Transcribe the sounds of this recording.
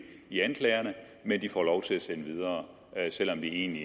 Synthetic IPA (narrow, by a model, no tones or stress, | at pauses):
iænkʰlɛɪɐnə | mend̥ifɒlɒʊt͡sʰe̝læsenəʋið̞ˠɐː | sel̰ɒ̽md̥ie̝̰ːnli